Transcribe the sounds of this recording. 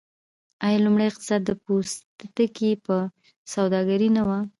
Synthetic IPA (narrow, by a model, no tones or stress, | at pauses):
ajalumɽajɪq̚t̪ɪ̥sɑt̪̚d̪əpost̪t̪əkipə | sawd̪ɑɡaɾinawa